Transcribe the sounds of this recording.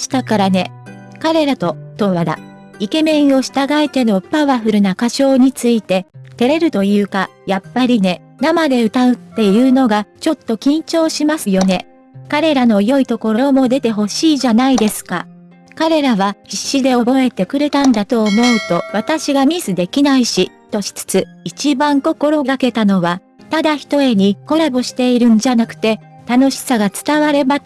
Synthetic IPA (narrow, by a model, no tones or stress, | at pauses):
ɕi̥t̪akaɾane̞ | kaɾe̞ɾat̪o̞t̪o̞βad̪a̰ | ike̞mẽ̞ɰ̃o̞ɕi̥t̪aɡaet̪e̞no̞paβaɸɯ̟ɾɯ̟nakaɕo̞ːɲ̟it͡sɨit̪e̞t̪e̞ɾe̞ɾɯ̟t̪o̞jɯ̟ːkajapːaɾʲine̞ | namad̪e̞ɯ̟t̪aɯ̟t̪ːe̞jɯ̟ːno̞ɡat͡ɕo̞t̪ːo̞kʲĩɲ̟t͡ɕo̞ːɕimasɨjo̞ne̞ | kaɾe̞ɾano̞jo̞it̪o̞ko̞ɾo̞omo̞d̪e̞t̪e̞ɦo̞ɕiːʑanaid̪e̞sɨ̥ka̰ | kaɾe̞ɾaβaiɕːid̪e̞o̞bo̞e̞t̪e̞kɯ̟ɾe̞t̪ãnd̪at̪o̞ːmo̞ɯt̪o̞βat̪aɕiɡamʲizɨd̪e̞kʲinaiɕit̪o̞ɕi̥t͡sɨ̥t͡sɨit͡ɕibãŋko̞ko̞ɾo̞ɡake̞t̪ano̞βa | t̪ad̪açi̥t̪o̞e̞ɲ̟iko̞ɾaboɕi̥t̪e̞iɾɯ̟̃nd͡ʑanakɯ̟̥t̪e̞ | t̪ano̞ɕi̥saɡat͡sɨ̥t̪aβaɾe̞ba